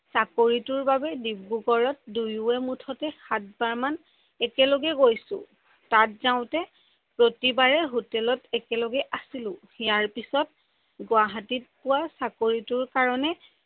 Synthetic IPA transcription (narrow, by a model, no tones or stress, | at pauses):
sakoɹitʊɹbabɛdibːuɡɔɹɔt̚dujuɛmutʰɔtɛxat̚baɹman | ɛkɛloɡɛɡojsʊ̰̃ | tatzaʊ̃tɛ | pɹotibaɹɛɦutɛlɔtɛkɛlɔɡɛʔasilʊ̃ | ijaɹpisɔt̚ | ɡwaɦatit̚pʊwasakoɹitʊɹkaɹɔnɛ